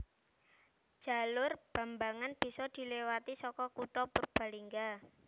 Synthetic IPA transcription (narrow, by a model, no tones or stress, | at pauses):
d̥ʒ̥a̤lʊrb̥ä̤mbaŋanb̥i̤sɔd̪̥i̤lewat̪isɔkɔkuʈɔpurb̥a̤liŋɡa